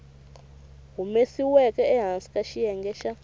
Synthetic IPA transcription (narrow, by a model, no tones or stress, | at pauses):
ɦumesiwɛkʼɛːɦansi̥kʼaʃijɛŋɡɛʃa